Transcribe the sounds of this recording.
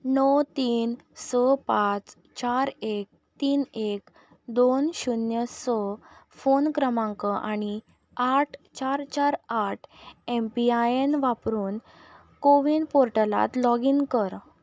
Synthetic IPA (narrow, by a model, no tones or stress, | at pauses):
nɔwt̪iːn | sɔpat͡s | t͡ɕaɾek̚ | t̪iːnek | d̪onɕunjəsɔ | fonkɾəmãŋkəʔañi | aʈʰt͡ɕaɾt͡ɕaɾaʈʰempiajenʋapɾuːn | koʋiːnpoɾʈəla̰t̪lɔɡiːnkəɾ